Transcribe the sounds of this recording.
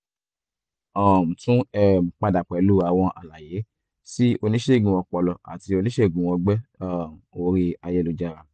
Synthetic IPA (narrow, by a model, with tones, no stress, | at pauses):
ɔ˨m̩˨tũ˦ɛ˦˨m̩˨k͡pa˧da˨k͡pɛ˨˧lu˦a˧w̃ɔ̃˧ʔa̰˨la˨je˨˦ | si˦o˧nĩ˦ʃe˦˨ɡũ˨wɔ̃˧k͡pɔ˧lɔ˧a̰˨ti˧o˧nĩ˦ʃe˦˨ɡũ˨wɔ̃˧ɡ͡bɛ˦ɔ˦˨o˧ɾi˧a˧jɛ˦lu˨˧d͡ʒa˧ɾa˧